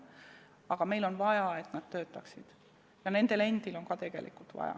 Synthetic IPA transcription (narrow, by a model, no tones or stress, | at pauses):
ɑɡ̥ɑme̞jlo̞nvɑjɑe̞t̪nɑd̪̥̚t̪ø̞ːt̪ːˑɑksid̪̥ | jɑne̞nd̪̥e̞le̞nd̪ilo̞ŋkɑt̪e̞ɡ̥e̞̰lʔḭkult̪vɑ̰jɑ̰